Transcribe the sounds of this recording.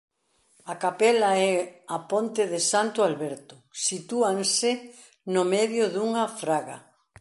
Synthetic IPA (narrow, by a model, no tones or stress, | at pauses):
akapɛlaɛapont̪ɪðɪsant̪ʊalβɛɾt̪ʊsit̪uaŋsɪ | nʊmɛðjʊðuŋɐfɾaɣa̰